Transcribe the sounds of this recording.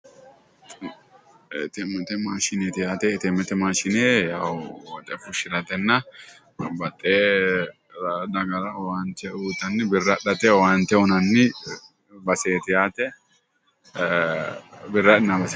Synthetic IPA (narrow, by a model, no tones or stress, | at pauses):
t̪ɛmːɛt̪ɛmaːʃɪnet̪ɪjaːt̪ɛt̪ɛmːɛt̪ɛmaːʃɪneːjawwɔt̪ʼɛfʊʃɪɾɐt̪ɛnːɐ | bɐt̪ʼːeː | d̪ɐɡɐɾɐwaːnt̪ɛuːt̪ɐnːɪbɪrɐᶑɐt̪ʼɛwaːnt̪ɛʊnɐnːɪ | bɐseːt̪ɪjaːt̪ɛ | bɪrːɐᶑɪnːɐbɐs